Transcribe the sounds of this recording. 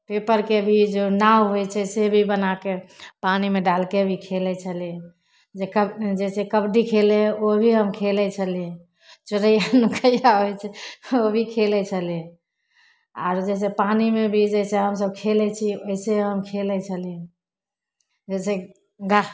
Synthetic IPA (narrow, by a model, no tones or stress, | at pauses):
pepəɾkeəbʱid͡ʒonawɦojt͡ʃʰɛsebʱibənakepanimeɖalkebʱikʰelɛt͡ʃʰəliɛ | d͡ʒekəd͡ʒɛsekəbɖikʰeleobʱiɦəmkʰelɛt͡ʃʰəlie | t͡ʃəɾəjanukʰəjaɦojt͡ʃʰɛobʱikʰelɛt͡ʃʰəliẽ | a̰ɾd͡ʒɛs̬epanimebʱid͡ʒɛt͡ʃʰɛɦəmsəb̚kʰelɛt͡ʃʰioiseɦəmkʰelɛt͡ʃʰəliẽ | d͡ʒɛse | ɡa